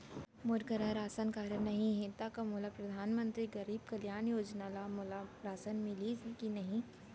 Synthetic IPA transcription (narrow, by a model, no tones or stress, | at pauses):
mʊɾɡəɾaɾaːsənkaːɾənːɐɦĩɦẽt̪akɐmulapɾɐd̪ʱaːnmə̃nt̪ɾiɡɐɾiːb̚kɐljaːnjoːd͡ʒnaːlamʊlaɾaːsənmɪlikinɐɦĩ